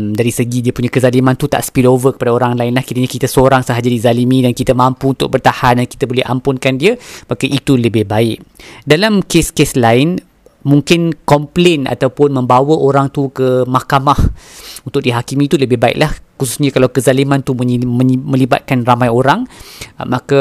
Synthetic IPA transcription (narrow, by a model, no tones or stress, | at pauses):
daɾisəɡidiəpuɲãkəzalimãnt̪ut̪a̰ʔsə̥pilovəkə̥padaoɾaŋlaɪnlahkiɾaɲakit̪asoɾaŋsəɦad͡ʒadizalimĩdankit̪amãmpuunt̪ʊk̚bərt̪ahandanki̥t̪abolɛha̰mpʊnkandiəmakaʔit̪uləbɪhbaɪʔdalamkeskeslaɪn | muŋkɪnkɔmplena̰t̪awpʊnmə̃mbawəʔoɾaŋt̪ukəmakamahunt̪ʊk̚diɦakimiːt̪uləbɪhbaɪ̰ʔlahkususɲakalawkəzalimant̪umə̃mə̃liba̰t̪̚kanramãjoɾaŋmaka